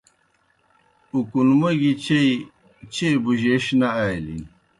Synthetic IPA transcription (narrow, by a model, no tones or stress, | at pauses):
ukunmɐɡit͡ɕej | t͡ɕebuʑeɕnaajlḭn